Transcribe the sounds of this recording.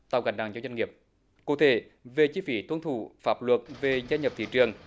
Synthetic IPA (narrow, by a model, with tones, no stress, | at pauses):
t̪a̰ː˨˩wɣa˨˩ŋ̟ɗa̰ː˨˩ŋzaː˧zwa˧ŋi˨˩əp̚ | kṵ˧˩t̪ʰe˧˩˦ | ve˨˩t͡ɕi˧˦˥fi˨˦t̪wə˧nt̪ʰu˧˩faː˧˥p̚lwə˨˩t̚ve˨˩zaː˧ɲə˨˩p̚t̪ʰḭ˧˨t͡ɕɨ˨˩əŋ